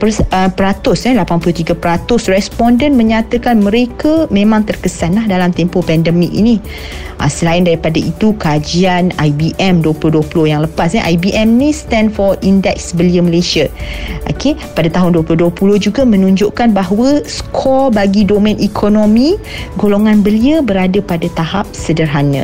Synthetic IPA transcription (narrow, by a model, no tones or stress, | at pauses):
pəəpəɾat̪ʊsɛlapanpulʊht̪iɡapəɾat̪ʊsrɛspɔndənmə̃ɲat̪əkanməɾekamẽmãŋt̪ərkəsanlahdalamt̪ɛmpopɛndəmik̚ḭni | ʔa̰səlaɪndaɾipadaʔit̪ukad͡ʒianajbiʔɛmduəpulʊhduəpulʊhjaŋləpasɲɛʔajbiʔɛmnĩst̪ɛ̃ndfɔindɛk̚sbəliəməleʃəʔoke | padat̪aɦʊnduəpulʊhduəpulʊhd͡ʒuɡamə̃nuɲd͡ʒoʔkanbaɦwəskʰɔlbaɡidomɛ̃nikʰonomĩ | ɡoloŋãnbəliəbəɾadəpadat̪aɦap̚sədərɦanə̰̃